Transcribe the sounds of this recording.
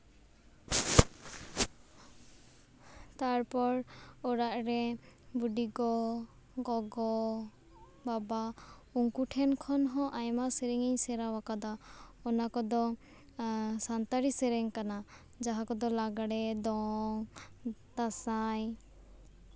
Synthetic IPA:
t̪aɾpɔɾɔɾaʔɾɛbuɖiɡɔ | ɡɔɡɔ | babauŋkuʈʰɛnkʰɔnɦɔ̃ʔajmasɛɾɛŋɛɲsɛɾawakad̪aɔnakɔd̪ɔ | sant̪aɾisɛɾɛŋkana | d͡ʒaɦakɔd̪ɔlaɡaɽɛd̪ɔŋ | d̪̥asaj

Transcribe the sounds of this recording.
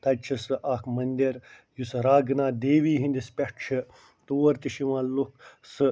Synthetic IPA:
t̪ɐt͡ʃʰɐsɨʔaːkʰmɐnd̪iɾ | jusɾaːɡnaːd̪eːʋiːɦĩnd̪ispʲeʂʈt͡ʃʰi | t̪uːʋɐɾt̪iʃiʋãːluksɨ

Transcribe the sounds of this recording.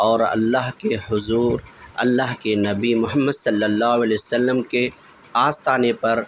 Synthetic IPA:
ɔːɾɐ̰lːaɦkehʊzuːɾɐ̰lːaɦkenɐbimʊɦəmːəd̪sɐlːəlːaːɦʊɐlɛsəlːəmke | aːst̪aːnepɐɾ

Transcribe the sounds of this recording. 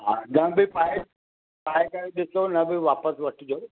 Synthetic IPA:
ɦãːɡɐ̃bʱɪpaːe | paːekaɾiɗɪsonɐbʱɪʋaːpəsʋɐʈʰɪd͡ʑoː

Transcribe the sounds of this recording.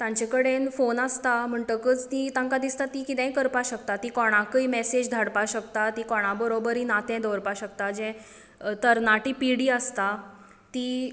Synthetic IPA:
t̪ãɲt͡ɕekəɽenfonast̪am̤əɳʈəkət͡st̪it̪ãŋkad̪ist̪at̪ikit̪ɛ̃kəɾpaɕəkt̪at̪ikɔɽ̃akəimɛsed͡ʑd̪ʱəɽpaɕəkt̪at̪ikɔɽ̃abəɾobəɾiːnat̪ɛ̃d̪ɔɾpaɕəkt̪ad͡ʑɛ̃ | t̪əɾnaʈiːpiɽiːəst̪a | t̪i

